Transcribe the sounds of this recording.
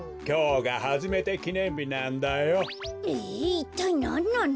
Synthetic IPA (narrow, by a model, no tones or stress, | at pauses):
kʲjoɡahad͡ʑimet̪ekʲinembʲinand̪ajoit̪ojnɔnɔn